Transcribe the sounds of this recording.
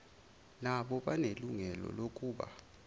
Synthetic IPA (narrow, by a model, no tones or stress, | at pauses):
naɓɔɓaneluŋɛlɔ̰lokʼuːɓa̰